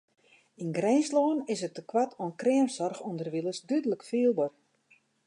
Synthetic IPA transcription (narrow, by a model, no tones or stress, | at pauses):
inɡrɛnsloːnɪsət̚ːəkwatʰonkrɪəmsɔrxundərʋilˠəsdydələkfiːlˠbor